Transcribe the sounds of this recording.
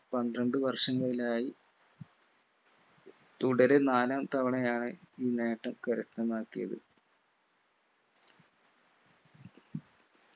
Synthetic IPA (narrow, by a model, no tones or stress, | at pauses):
pɐnd̪ɾɐɳɖɨʋɐrʂɐŋːɐɭilaːji | t̪uɽɐɾenaːlaːmt̪ɐʋɐɳɐjaːɳeiːne̞ːʈːɐmkɐɾist̪ɐmaːkːijɐ̰ðɨ̰